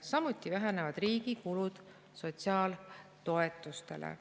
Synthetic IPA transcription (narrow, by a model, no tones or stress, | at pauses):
sɑmut̪ːˑivæɦænevɑd̪̥riːɡ̥ikulud̪̥ | so̞t̪siɑːlt̪o̞e̞t̪ːˑust̪e̞̰lḛ